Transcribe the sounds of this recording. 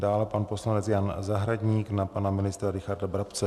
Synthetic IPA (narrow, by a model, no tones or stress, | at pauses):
daːlɛpanpo̞slanɛt͡sjanzaɦɾaɟɲiːknapanamɪnɪst̪ɾaɾɪxaɾdabɾapt͡sɛ